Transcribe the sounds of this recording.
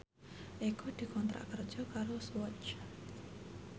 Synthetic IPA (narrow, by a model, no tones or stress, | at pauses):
ʔekɔd̪̥i̤kɔnt̪ɾa̰ʔkərd̥ʒ̥ɔ̤kaɾoswɔt͡ʃ